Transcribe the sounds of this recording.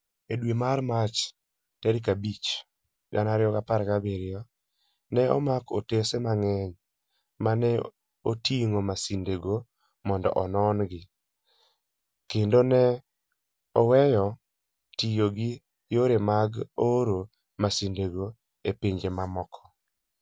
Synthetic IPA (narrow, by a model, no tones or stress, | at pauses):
edwemaɾmat͡ʃ | tɛɾikabit͡ʃ | ɡanaɾɪjɔɡapaɾɡabeɾɪjɔ | nɛɔ̰mako̰tesemaŋɛɲ | manɛ | otiŋomasindeɡo | mɔndɔ̰ʔɔnɔnɡɪ | kendonɛ | ɔwɛjɔ | tijoɡɪ | joɾemaɡoɾo | masindeɡo | epeɲd͡ʒemamɔkʰɔ̥